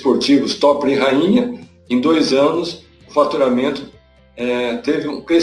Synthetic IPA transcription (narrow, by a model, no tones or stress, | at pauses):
poɾt͡ʃivʊst̪ɔpɾɪ̃ɦaĩɲɐ | ẽj̃d̪ojzɐ̃nʊs | ʊfat̪uɾamẽnt̪ʊ̥ | ɛt̪evɪũkɾe